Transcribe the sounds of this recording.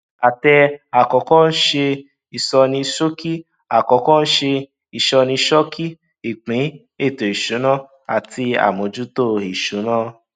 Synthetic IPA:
a˨tɛ˧a˨kɔ˨˦kɔ̃˦n̩˦ʃe˧ | i˨sɔ˧nĩ˧ʃo˦ki˦ | a˨kɔ˨˦kɔ̃˦n̩˦ʃe˧ | i˨ʃɔ˧nĩ˧ʃɔ˦ki˦ | i˨k͡pĩ˨˦ | e˦˨to˨i˨ʃu˨˦nã˦ | a̰˨ti˧a̰˨mõ˨˧d͡ʒu˦to˦˨i˨ʃu˨˦nã˦

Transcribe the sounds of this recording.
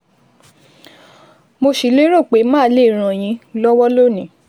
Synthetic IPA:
mo˧ʃi˨le˦ɾo˦˨k͡pe˨˦mãː˦˨˦le˦˨ɾ̃ã˨j̃ĩ˨˧˦lɔ˦wɔ˦lo˦˨nĩ˨˦

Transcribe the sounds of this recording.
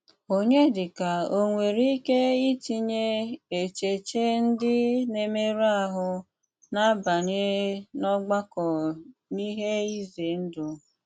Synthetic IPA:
o˦ɲe˦dɪ˨ka˨o˦ŋʷe˨ɾi˦ke˦i˦ti˦ɲe˦e˨t͡ʃe˨t͡ʃe˦n̩˦dɪ˦ne˨me˦ɾa˦˨ɦʊ˨ | na˦ba˨ɲe˦nɔ˦ɡ͡ba˦kɔ˨ni˦ɦe˦i˦ze˨n̩˦dʊ˨

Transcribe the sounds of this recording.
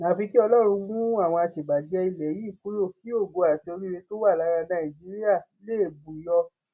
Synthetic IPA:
nã˨˦˨fi˧ki˦ɔ˧lɔ˦˨˧ɾ̃ũ˧mũ˦a˦˨w̃ɔ̃˧a˧ʃe˨ɡ͡ba˨di˨˦ɛ˧i˧lɛ˨ji˨˦˨ku˦lo˦˨ki˨˦o˦˨ɡo˨˧a˨te˧o˧ɾi˦ɾe˧to˦wa˦˨la˨˦ɾa˧nã˦ĩ˨d͡ʒi˨˦ɾi˦a˦˨i˧le˦e˦˨bu˨i˨˦jɔ˧

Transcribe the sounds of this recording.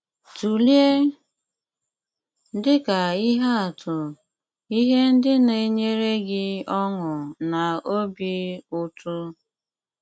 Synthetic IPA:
tu˨lje˦ | n̩˦dɪ˦ka˨i˦ɦa˦a˨tʰʊ˨ | i˦ɦe˦n̩˦dɪ˦ne˨ɲe˦ɾe˦ɡɪ˦ɔ˦ŋʊ˨na˨o˦bi˦ʊ˦tʰʊ˦

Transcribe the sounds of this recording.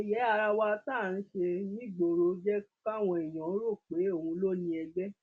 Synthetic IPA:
e˨jɛ˨˦a˧ɾa˧wa˧˦ta˦˨ñ̩˨˦ʃe˧nĩ˦ɡ͡bo˨ɾo˨˦d͡ʒɛ˦ka˦˨w̃ɔ̃˧i˨j̃ɔ̃˨˦o˦ɾo˦˨k͡pe˨˦o˦˨hũ˧lo˦nĩ˧˦ɛ˧ɡ͡bɛ˦

